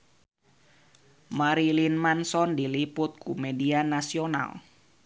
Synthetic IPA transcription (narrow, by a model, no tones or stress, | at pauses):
maɾilinmansɔndilipʊt̪̚kumedianasiona̰l